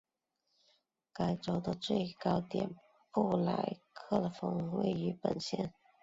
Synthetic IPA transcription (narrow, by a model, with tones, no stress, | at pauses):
ka˨˩ɪʈ͡ʂo˨˩ʊd̪ə˧t͡swe˥˩ɪkɑ˥ʊt̪jɛ̰˨˩n | pu˥˩la˧˥ɪkʰɤ˥˩lə˩fɤ˧˥ŋwḛ˥˩ɪy˧˥pə̰˨˩nɕjɛ̰˥˩n